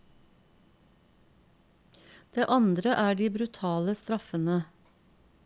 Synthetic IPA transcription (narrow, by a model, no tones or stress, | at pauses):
d̪̥eːʔɑnd̪ɾəʔæːɖiːbɾʉt̪ʰɑːləst̪ɾɑfənə